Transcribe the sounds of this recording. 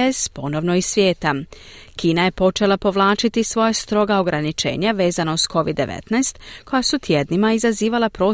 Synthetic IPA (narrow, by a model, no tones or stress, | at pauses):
espo̞no̞ʋno̞isʋjeːt̪a | kiːnaje̞po̞t͡ʃe̞lˠapo̞ʋlˠaːt͡ʃit̪isʋo̞jast̪ɾo̞ɡaoɡɾanit͡ʃe̞̰ːɲaʋe̞ːzanousko̞ʋid̪ːe̞̰ʋḛt̪najst̪ko̞jasut̪ʰjed̪nimaizaziːʋalapɾo̞ː